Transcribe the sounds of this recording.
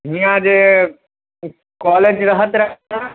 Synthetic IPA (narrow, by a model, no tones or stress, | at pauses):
ɦĩjãd͡ʒe | kɔːleːd͡ʒɾəɦət̪ɾəɦna